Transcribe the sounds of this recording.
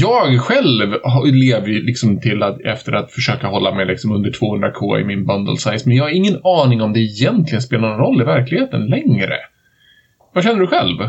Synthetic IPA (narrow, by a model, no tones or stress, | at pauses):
jɑːɡɧɛlvɦleːvəjlɪksɔmt̪ʰɪlat̪ɛft̪əɾat̪fœʂøːkaɦɔlːamɛjlɪksɔmɵnd̪əʈʰv̥oːhɵnd̪ɾakʰoːɪ̰mɪnbœnd̪ə̰lsajsmɛnjɑːɡhaɾɪŋːənɑːnɪŋɔmd̪ɛɪjɛnt̪ʰlɪɡənspeːlanɔnɾɔlːɪvæɾklɪɡheːt̪ənlɛŋɾə̰ | vaɕ̬ɛnːəɖɵɧɛ̰lv